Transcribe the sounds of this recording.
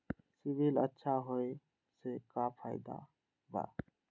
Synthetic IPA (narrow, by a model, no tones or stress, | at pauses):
sibilə̰tːʃʰaɦoj | sekapʰaɪd̪a̰ | ba̰